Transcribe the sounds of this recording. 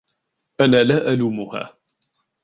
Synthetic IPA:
ʔanaːlaːʔaluːmʊha̰ː

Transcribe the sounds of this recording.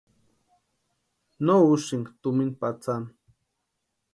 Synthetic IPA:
nouʃiŋɡt̪uminpat͡san

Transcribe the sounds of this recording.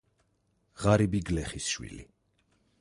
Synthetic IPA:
ʁaɾibiɡlɛχisʃwḭlḭ

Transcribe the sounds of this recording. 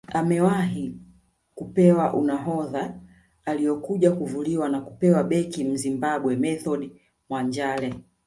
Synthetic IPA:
amɛwaɦi | kupɛwaʔunaɦɔðaː | lijɔkuʄakuvuliwanaku̥pɛwaɓɛkim̩zimbaɓwɛmɛθɔɗi | mwaɲd͡ʒalɛ

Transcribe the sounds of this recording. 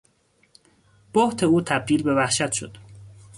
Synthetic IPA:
b̥oht̪ʰeuːt̪ʰæb̚d̪iːlbe̞væhʃæt̪ʰʃo̰d̪̥

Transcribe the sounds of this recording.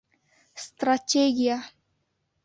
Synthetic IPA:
st̪ɾat͡ʃeɡja

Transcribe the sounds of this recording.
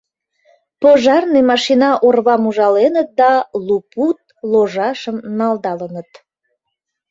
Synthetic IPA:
poʒɑrnimɑʃinɑʔorβɑmuʒɑlenət̪̚d̪ɑluput̪̚loʒɑʃəmnɑld̪ɑlənət̪

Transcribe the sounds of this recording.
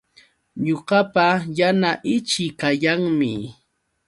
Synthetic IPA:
ɲoɢɑpajanaʔɪt͡ʃɪkajaŋmɪ

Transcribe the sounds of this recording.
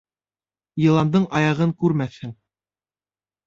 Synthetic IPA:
jɤ̆lˠɑnd̪ɤɴɑjɑʁɤŋkʉɾmæθhɘŋ

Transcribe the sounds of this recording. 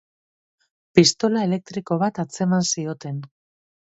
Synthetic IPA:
pist̪o̞lae̞le̞k̚t̪ɾiko̞βat̪at͡se̞mansio̞t̪e̞n

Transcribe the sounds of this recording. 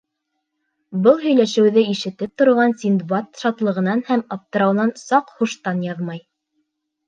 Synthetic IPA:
bɤlˠɦɵ̆jlæʃɘ̆wðɘiʃɘ̆t̪ɘp̚t̪ŏɾʁɑnsʲind̪bɑt̪ʃɑt̪lˠɤ̆ʁɤ̆nɑnhæmɑp̚t̪ɤ̆ɾɑwnɑnsɑqhuʃt̪ɑnjɑðmɑj

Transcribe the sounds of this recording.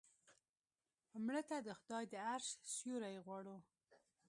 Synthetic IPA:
mɽət̪ad̪əxʊd̪ɑjd̪əaɾʃsjuɾajɣwɑɽu

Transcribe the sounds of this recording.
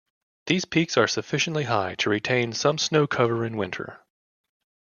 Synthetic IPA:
ðiz̥pʰiksə˞sɨfɪʃnʔliɦaɪɾʰɨɹitʰẽɪ̃nsʌ̃msnoʊkʰʌvə˞ɨ̃nwɪ̰̃ntʰə̰˞

